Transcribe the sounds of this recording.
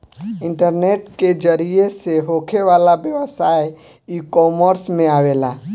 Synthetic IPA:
ɪ̃ɳʈəɾneːʈked͡ʒəɾieseɦoːkʰeʋaːlabjəʋəsaːj | iːkɔːməɾsmẽaːʋeːla̰ː

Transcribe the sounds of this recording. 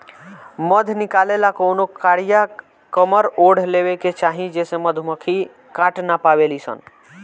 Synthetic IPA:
məd̪ʱnikalelakonokaɽija | kəməɾoɽ̤lebeket͡ʃaɦĩd͡ʒesẽməd̪ʱuməkʰi | kaʈnapaβelisə̰n

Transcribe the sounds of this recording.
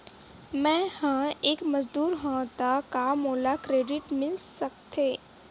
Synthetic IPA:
mɛ̃ːhə̃eːkməzd̪uːɾɦõt̪akamoːlakɾeːɖɪʈmɪlsəkt̪ʰeː

